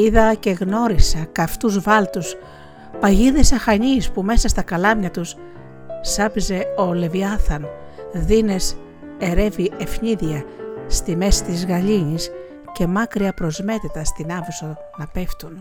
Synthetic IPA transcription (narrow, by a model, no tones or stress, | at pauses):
iðɐce̞ɣno̞ɾisɐkɐft̪uzvɐlt̪us | pɐʝiðesɐxɐɲispume̞sɐst̪ɐkɐlɐmɲɐt̪us | sɐpize̞o̞le̞viɐθɐn | ðine̞s | e̞ɾe̞viʔe̞fɲiðiɐst̪ime̞sit̪izɣɐʎiɲis | ce̞mɐkɾiɐpɾo̞zme̞t̪it̪ɐst̪inɐvuso | nɐpe̞ft̪un